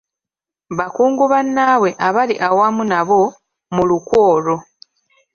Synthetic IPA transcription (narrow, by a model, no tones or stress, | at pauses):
βakuːŋɡuβanːaːwe̞ʔaβaliʔawamunaβo̞ | mulukwo̞ːɾo̞